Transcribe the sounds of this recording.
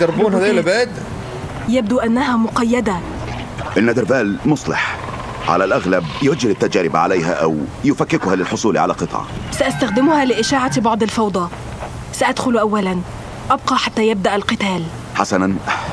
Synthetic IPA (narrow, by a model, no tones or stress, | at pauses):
ɑɾˤbuːnhæd̪æjlbæːd̪ | jæb̚d̪uʔænːæɦæːmʊqɑjːæd̪æ | ʔɪnːæd̪ɪɾbæːlmʊsˤlḛħ | ʕa̰lælʔæɣlæbjwæd͡ʒːɪlɪt̪ːæd͡ʒæːɾɪbʕa̰lejɦæ̰ʔæ̰wjɪfækːɪkʊhælɪlħosˤuːlḭʕa̰læ̰qɨt̪ˤʕɑ̰sæʔæst̪æxd̪ɪmʊhæːlɪʔɪʃaːʕabɑʕd̪ˤɑlfɑwd̪ˤɑ | sæʔad̪xʊlʔæwːælæn | ʔɑb̚qɑħat̪ːæjɪb̚d̪æʔælqɨt̪æːl | ħa̰sænæn